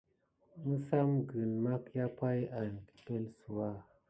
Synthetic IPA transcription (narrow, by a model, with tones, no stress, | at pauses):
mɨ˦sa˦mɡɨ˨nma˦kja˦pa˦ja˨n˨ki̥˨pe˦lsu˨wa˦˨